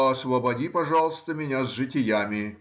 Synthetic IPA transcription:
ɐsvəbɐdʲipɐʐɑlˠəst̪əmʲɪnʲazʐɨtʲɪjamʲɪ

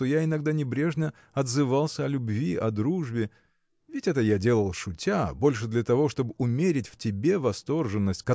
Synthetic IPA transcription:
t̪ojaɪnɐɡd̪anʲɪbɾʲe̞ʐnʲə | ɐd̪zɨvalˠsʲəɐlʲʊbvʲiʔɐd̪ɾuʐbʲɪ | vʲɪtʲɛt̪əjadʲe̞lˠəlˠʂʊtʲabo̞lʲʂɨd̪lʲɐt̪ɐvo̞ʂt̪o̞bɨʊmʲeɾʲɪtʲftʲɪbʲe̞vɐst̪o̞rʐɨnːəsʲtʲkɐ

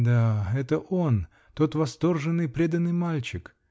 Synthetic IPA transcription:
d̪aɛt̪əʔo̞n | t̪o̞t̪vɐst̪o̞rʐɨnːɨjpɾʲed̪ɐnːɨjmalʲt͡ɕɪk

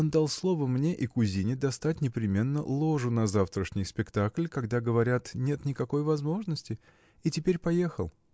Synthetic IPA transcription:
ond̪alˠslˠo̞vəmnʲe̞ʔikʊzʲinʲɪd̪ɐst̪at̚ʲnʲɪpɾʲɪmʲe̞nːə̰lˠo̞ʐʊnɐzaft̪ɾəʂnʲɪjspʲɪkt̪aklʲkɐɡd̪aɡəvɐɾʲat̪nʲe̞t̪nʲɪkɐko̞jvɐzmo̞ʐnəsʲtʲɪ | itʲɪpʲeɾʲpɐjexəlˠ

